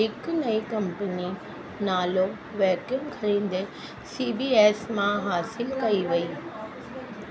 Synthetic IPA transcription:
ɦɪknɐikɐ̃mpəni | naːlo | ʋɛːkjəmkʰɐɾẽːn̆d̪e | siːbiːeːsmãɦaːsɪlkɐiʋɐiː

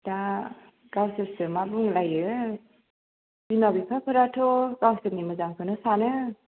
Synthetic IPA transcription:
da | ɡawsestɯmabuŋlajɯ | bimabipʰapʰɯɾatʰɔkawsɯnimɯzaŋkʰɯnɯsanɯ

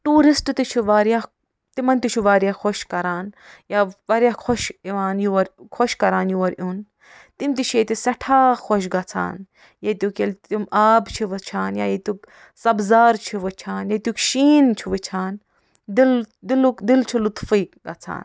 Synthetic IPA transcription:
ʈuːɾisʈt̪it͡ʃʰuʋaːɾijaː | t̪imɐnt̪it͡ʃʰuʋaːɾijaxoʃkɐɾaːn | jaːʋɐɾjakʰoʃiʋaːnjuʋɐɾkʰoʃkɐɾaːnjuʋɐɾʔun | t̪imt̪it͡ʃʰjet̪isɐʈʰaːxoʃ̬ɡɐt͡sʰa̰ːn | jet̪ʲjukelt̪imaːbt͡ʃʰiʋɨt͡ʃʰaːnjaːjet̪uk | sɐbzaːɾt͡ʃʰiʋɨt͡ʃʰaːnjet̪ʲukʃiːnt͡ʃʰiʋɨt͡ʃʰaːn | d̪ild̪ilukd̪ilt͡ʃʰulut̪fiːɡɐt͡sʰa̰ːn

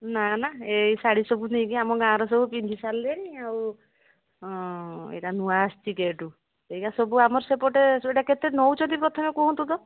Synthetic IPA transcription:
nanaejsaɽisɔbunej̃kiamɔɡãːɾɔs̬ɔbupind͡ʒisalːeɽĩaw | ḛʈanuast͡ʃikeʈu | ejkasɔbuamɔɾsepɔʈeeʈaket̪enɔwt͡ʃɔd̪ipɾɔt̪ʰɔmekɔɦɔ̃nt̪ud̪ɔ

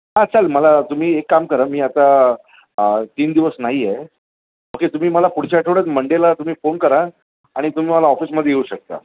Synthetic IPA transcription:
ɦãt͡salməlat̪um̤iːekːamkəɾamiːat̪a | ət̪iːnd̪iʋəsnaɦijɛ | ɦoket̪um̤iːməlapuɽ̤t͡ɕaʈʰoɽət͡sməɳɖelat̪um̤iːfonkəɾa | aɽ̃it̪um̤iːməlaɔfiːsməd̪ʱjejeuːɕək̚t̪a̰

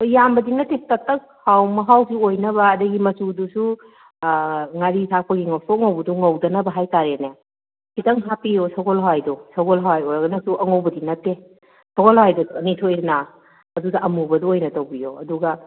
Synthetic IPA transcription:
jambɐdinɐtːetɐtɐk̚hawmɐɦawsuojnɐβɐːdɐɡimɐsudusu | ŋaɾisʰak̚pɐɡiŋɐwsoŋɐwbɐduŋɐwdɐnɐbɐɦajtaɾenja | kʰitɐŋɦapijosɐɡɔlɦawajdosɐɡɔlɦawajojɾɐɡɐnɐsuʔɐŋowbɐdinɐtːe | sʰoɡɔlhawajdɔɐnitʰojna | ɐdudɐʔɐmubɐduojnɐtowbijoɐduɡɐ

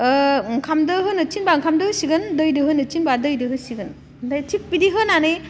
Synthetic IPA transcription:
ŋkʰamdɯɦɯnɯt͡ʃinbaŋkʰamdɯhɯsiɡɯndɯjdɯɦɯnɯt͡ʃinbadɯjdɯɦɯsiɡɯn | dajtʰik̚pidiɦɯnane

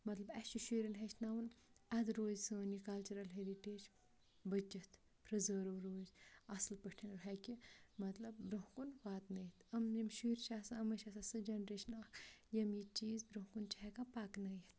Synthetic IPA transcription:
mɐt̪lɐbɛt͡ʃuʃiːɾinɦeʃnawunɐd̪ɾoːzsəːnikɐlt͡ʃuɾɐlɦeɾiʈeːd͡ʒ | bɐt͡ʃɐt̪ | pɾɐzəːɾɐʋɾoːzɐslpəʈʰɐnɾɦɛkʲimɐt̪lɐb̚bɾuɦkunʋaːt̪nɐjit̪ʰɐmnimʃiːɾʃaːsaɐmɐʃasasɨd͡ʒɐnɾeʃnaːjɐmjit͡ʃiːzbɾuɦkunt͡ʃiɦɛkapaknɐjit̪

